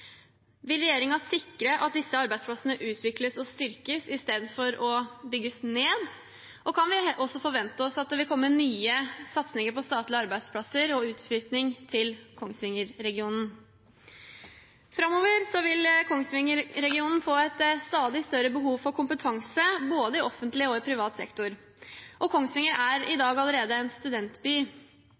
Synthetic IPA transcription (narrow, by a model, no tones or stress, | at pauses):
ʋɪlɾɛjeːɾɪŋɑsɪkɾəʔɑ̰t̪̚d̪ɪsːəɑɾbæɪspʰlɑsənəʔʉːt̪ʰʋɪkləsɔst̪ʏɾkəsɪst̪eːd̪nfɔɾɔbʏɡːəsneːd̪ | ʔɔkʰɑnʋɪɔsːɔfɔɾʋɛnt̪əɔsɑt̪̚d̪ʋɪlkʰɔmːənyːəsɑt̪snɪŋəɾpɔst̪ɑːt̪lɪɑɾbæɪd̪spʰlɑsəɾɔʉːt̪flyːt̪nɪŋt̪ʰɪlkʰɔŋsʋɪŋːəɾːɛɡɪuːnn̩ | fɾɑmːoːʋəɾsɔʋɪlkʰɔŋsʋɪŋːəɾɾɛɡɪuːnn̩foːɛt̪st̪ɑːd̪ɪst̪œɾəbəɦuːʋfɔɾkʰʊmpət̪ʰɑŋsəboːd̪əɪʔɔfənt̪lɪɔɪpʰɾɪʋɑːt̪sɛ̰kt̪ʊɾ | ʔɔkʰɔŋsʋɪŋːəɾæɾɪd̪ɑːɡɑləɾeːd̪əɛnst̪ʉd̪ɛnt̪byː